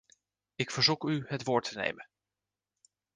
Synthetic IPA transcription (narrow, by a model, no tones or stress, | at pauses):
ɪkfəɹzukyɦətʋʊːɹtʰənḛjmən